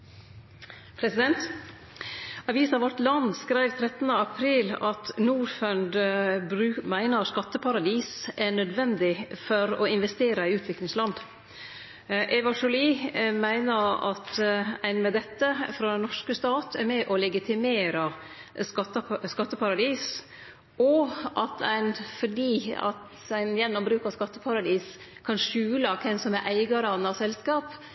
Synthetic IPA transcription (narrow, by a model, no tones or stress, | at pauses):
pʰɾɛsɪd̪ɛnt̪ | ɑʋiːsɑʋɔʈlɑnd̪skɾæɪʋt̪ʰɾɛt̪nəɑpʰɾiːlɑt̪nuːɾfœnd̪bɾʉːmæɪnəskɑt̪ːəpʰɑɾɑd̪iːsʔæɳœd̪ʋɛnd̪ɪfɔɾɔɪnʋɛst̪eːɾəɪʉːt̪ʰʋɪklɪŋslɑnd̪ | ʔɛʋɑʂɔliːmæɪnəɾɑ̰t̪æɪnmɛd̪ɛt̪ːəfɾɑd̪ɛnːɔʂkəst̪ɑːt̪ʰæɾmɛʔɔlɛɡɪt̪ʰɪmeːɾɑ | skɑt̪ːəskɑt̪ːəpʰɑɾɑd̪iːs | ɔʔɑt̪ʰæ̰ɪnfɔɖiːɑ̰t̪ | æɪnjɛnːɔmbɾʉːkɑskɑt̪ːəpʰɑɾɑd̪iːs | kʰɑnʂʉːlɑkʰɛnsɔmæɾʔæɪɡɑɾɑnɑsɛlskɑːp